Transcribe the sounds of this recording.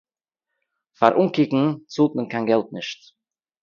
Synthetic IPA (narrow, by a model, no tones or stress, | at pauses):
fa̰ɾʔuŋkɪkŋ̩t͡sulˠtnənkʰaɪnɡɛlˠt̚nɪʃt